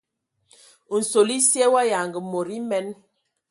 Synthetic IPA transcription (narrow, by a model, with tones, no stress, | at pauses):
n̩˨so˨li˦sjɛ˦wa˦ja˨ŋɡə˨mo˨ɾi˦mɛ˦n